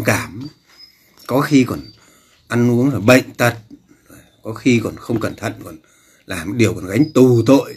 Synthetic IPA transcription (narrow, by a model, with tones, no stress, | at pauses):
kaː˧˩m | kɔ˨˦xi˧kɔ˨˩n | ʔa˧nʔu˨˦əŋzəː˨˩jɓə̰˧˨jŋ̟t̪ʰə˨˩t̚ | zo˨˩jkɔ˨˦xi˧kɔ˨˩nxə˧wŋ͡mkə˨˧˩nt̪ʰə̰˧˨nkɔ˨˩n | laː˨˩mɗi˨˩əwkɔ˨˩nɣa˨˦jŋ̟t̪u˨˩t̪o̰˧˨j